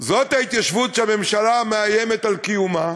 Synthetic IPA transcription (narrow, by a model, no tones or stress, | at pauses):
zo̞t̪hait̪jaʃvut̪ʃeame̞mʃalameajeme̞t̪alkijuma